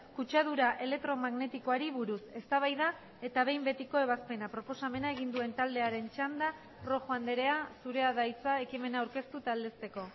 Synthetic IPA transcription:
kut͡ʃað̞uɾaʔe̞le̞k̚t̪ɾo̞maɣne̞t̪iko̞aɾiβuɾuse̞st̪aβ̞ajða | e̞t̪aβ̞e̞jmbe̞t̪iko̞e̞βaspe̞napɾo̞po̞same̞nae̞ɣ̞ind̪ue̞nt̪ald̪e̞aɾe̞nt͡ʃand̪a | ro̞xoand̪e̞ɾe̞asuɾe̞aðajt͡sae̞kime̞naːwɾke̞st̪ut̪ald̪e̞st̪e̞ko̞

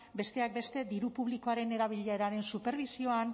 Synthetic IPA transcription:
be̞st̪e̞ak̚be̞st̪e̞d̪iɾupuβ̞likoaɾe̞ne̞ɾaβ̞iʎaeɾaɾe̞nsupe̞ɾβisio̞an

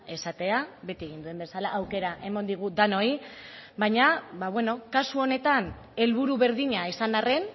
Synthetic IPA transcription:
e̞sat̪e̞aβe̞t̪ie̞ɣind̪ue̞mbe̞salaʔːwke̞ɾaʔe̞mond̪iɣ̞ud̪ano̞ibaɲaβaβwe̞no̞kasuo̞ne̞t̪an | e̞lβuɾuβe̞ɾðiɲaisanare̞n

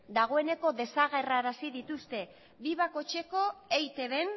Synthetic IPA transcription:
d̪aɣ̞o̞e̞ne̞ko̞ðe̞saɣ̞e̞raɾasiðit̪ust̪e̞ | biβ̞ako̞t͡ʃe̞ko̞ejt̪e̞βe̞n

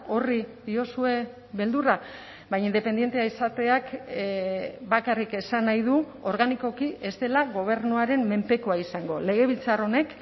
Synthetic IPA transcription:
o̞riðio̞sue̞ | βe̞ld̪uɾa | βajind̪e̞pend̪je̞nt̪eaisat̪e̞ak | bakarike̞sanajðu | o̞ɾɣaniko̞kiʔe̞st̪e̞laɣo̞β̞e̞ɾnuaɾe̞mme̞mpe̞koaisaŋɡo̞le̞ɣ̞e̞β̞ilt͡saro̞ne̞k

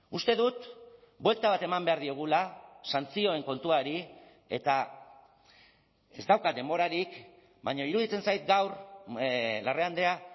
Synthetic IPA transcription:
ust̪e̞ðut̪ | bwe̞lt̪aβat̪e̞mambe̞aɾðio̞ɣ̞ulasant͡sio̞e̞ŋko̞nt̪uaɾi | e̞̰t̪a | e̞zd̪awkad̪e̞mbo̞ɾaɾik | bajɲoiɾuðit͡se̞nsajt̪ɡawɾ | lareand̪e̞a

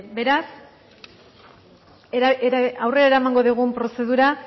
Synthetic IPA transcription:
be̞ɾas | awre̞ɾaeɾaemaŋɡo̞ðiɣ̞umpɾo̞se̞ðuɾa

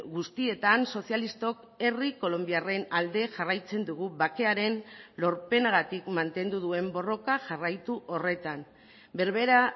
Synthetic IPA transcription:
ɣust̪ie̞t̪anso̞sialist̪o̞k | e̞riko̞lo̞mbiare̞nald̪e̞ʝarajt͡se̞nd̪uɣ̞uβake̞aɾe̞nlo̞ɾpe̞naɣat̪ikmant̪e̞nd̪uðue̞mbo̞ro̞kaʝarajt̪uʔo̞re̞t̪an | be̞ɾβe̞ɾa

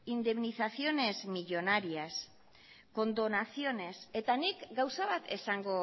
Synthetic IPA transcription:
ind̪e̞mniθaθio̞ne̞zmiʎo̞naɾias | ko̞nd̪o̞naθio̞ne̞se̞t̪anikɡawsaβat̪ʰe̞saŋɡo̞

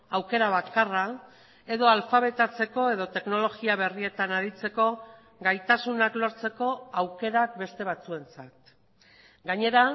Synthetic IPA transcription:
awke̞ɾaβ̞akara | e̞ðo̞alfaβ̞e̞t̪at͡se̞ko̞e̞ðo̞t̪e̞kno̞lo̞ɣiaβe̞rie̞t̪anaɾit͡se̞ko̞ | ɡajt̪asunaklo̞ɾt͡se̞ko̞awke̞ɾak̚be̞st̪e̞β̞at͡sue̞nt͡sat̪ | ɡaɲe̞ɾa

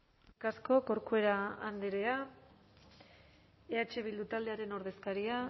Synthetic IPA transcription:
kasko̞ko̞ɾkue̞ɾaand̪eɾea | eat͡ʃe̞βild̪ut̪ald̪e̞aɾe̞no̞ɾð̞e̞skaɾia

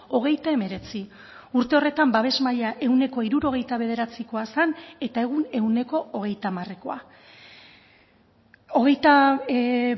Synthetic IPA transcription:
o̞ɣ̞e̞jt̪ae̞me̞ɾe̞t͡si | uɾt̪e̞o̞re̞t̪ambaβ̞e̞zmaʎaʔe̞uwne̞ko̞iɾuɾo̞ɣ̞e̞jt̪aβ̞e̞ðe̞ɾat͡siko̞asane̞t̪ae̞ɣ̞une̞wne̞ko̞ːɣ̞e̞jt̪amare̞ko̞a | o̞ɣ̞e̞jt̪a

